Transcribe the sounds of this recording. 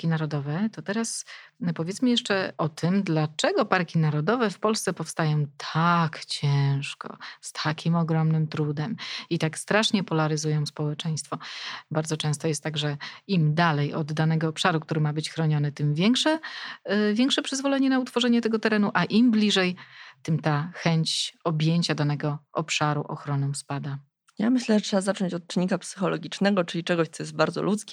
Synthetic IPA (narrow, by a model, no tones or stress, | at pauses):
kʲinaɾɔd̪ɔvɛt̪ɔt̪ɛɾaspɔvʲjɛt̪sməjɛʂt͡ʂɛɔt̪ʰɘmd̪lat͡ʂɛɡɔpaɾkʲinaɾɔd̪ɔvɛfpɔlst̪sɛpɔfst̪ajɔ̃w̃t̪ʰakt͡ɕɛ̃ʂkɔ̰st̪ʰakʲimɔɡɾɔmnɘmt̪ɾud̪ɛmit̪akst̪ɾaʂɲɛpɔlaɾɘzujɔ̃w̃spɔwɛt͡ʂɛj̃st̪fɔbaɾd̪zɔt͡ʂɛ̃w̃st̪ɔjɛst̪ːaɡʐɛimd̪alɛjɔd̪ːanɛɡɔːpʂaɾukt̪uɾɘmabɘt͡ɕxɾɔɲɔnɛt̪ɘmvʲjɛŋkʂɛ | vʲjɛŋkʂɛpʂɘzvɔlɛɲɛnaut̪fɔʐɛɲɛt̪ɛɡɔt̪ɛɾɛnuʔaʔimblʲiʐɛjt̪ɘmt̪axɛɲt͡ɕɔbʲjeɲt͡ɕad̪anɛɡɔʔɔpʂaɾṵʔɔ̰xɾɔnɔ̃w̃spad̪a | jamɘɕlɛʐɛtʂɛbazat͡ʂɔɲt͡ɕɔt̪̚t͡ʂɘɲːikapsɘ̥xɔlɔɡʲit͡ʂnɛɡɔt͡ʂɘlʲit͡ʂɛɡɔɕt̪sɔjɛst̪baɾd̪zɔ̰lʔut̪skʲɛ